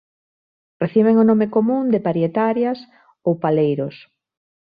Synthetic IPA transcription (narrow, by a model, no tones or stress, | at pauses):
reθiβ̞eŋonomekomũnd̪epaɾjet̪aɾjas | owpalejɾos